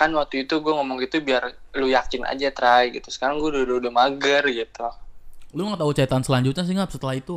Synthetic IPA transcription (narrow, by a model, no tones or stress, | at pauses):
kanwak̚t̪uit̪uɡuaŋɔmɔŋɡit̪ubiarlujakɪnʔa̰d͡ʒat̪ɾajɡit̪usə̥kaɾaŋɡuɛddodʊmaɡərɡit̪uluŋat̪aɦut͡ʃait̪ansəlaɲd͡ʒut̪̚ɲas̬iŋap̚sət̪əlahit̪u